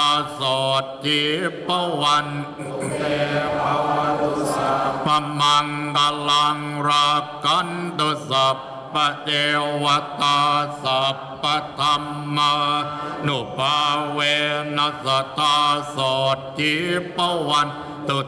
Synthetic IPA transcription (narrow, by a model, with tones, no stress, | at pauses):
sɔː˨˩t̪̚k̪i˨˦pa˧wa˧n | t̪e˧pa˧ | pa˧ma˧ŋka˧la˧ŋɾa˧ka˧˥nt̪ɯ˧˩sa˨˩pː | a˧ʔe˧wa˧˦t̪aː˧sa˨˩pːa˧t̪ʰa˧mːa˧nu˨˩pʰaː˧weː˧na˧sa˧˩t̪aː˧sɔː˨˩t̪̚k̪i˨˧˦pa˧˦wa˧n | t̪u˨˧˩